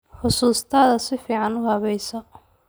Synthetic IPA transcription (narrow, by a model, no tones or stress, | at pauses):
ħʊsuːst̪ʰɐːðɐsɪfiːʕɑnʊhɐβɛjsɔ